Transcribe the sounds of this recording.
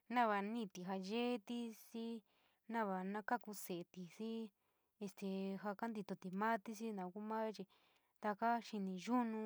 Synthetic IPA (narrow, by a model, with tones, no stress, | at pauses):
nã˦βa˧nĩ˦˧t̪i˨ɦa˧ʒe˦t̪i˦si˦ | nã˦βa˧nã˦ka˦ku˧se˨e˨˧t̪i˧si˦ | e˧st̪e˧ɦa˧ka˦nd̪i˧t̪o˧t̪i˨mã˦t̪i˦si˦nã˨ku˦mã˦t͡ʃi˧ | t̪a˧ka˦ʃi˧nĩ˧ʒu˦nũ˧